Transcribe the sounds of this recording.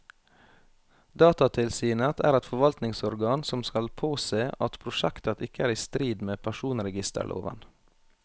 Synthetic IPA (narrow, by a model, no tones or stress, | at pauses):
d̪ɑːt̪ɑt̪ʰɪlsiːnət̪ʰæ̰ːɾɛt̪fɔʋɑlt̪nɪŋsɔɾɡɑːnsɔmskɑlpʰoːseːʔɑt̪pʰɾʊʃækt̪ət̪ʰɪkəæːɾiːst̪ɾiːd̪meːpʰæʃuːnɾɛɡɪst̪ə̰ɭʔo̰ːʋə̰n